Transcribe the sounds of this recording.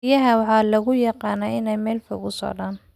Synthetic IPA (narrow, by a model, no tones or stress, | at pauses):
jɐɦɐwɑħɑːlɐɣʊjɑqɑːnɐːɪnɛjmɛːlfʊɣʊsɔ̰ʕðaːn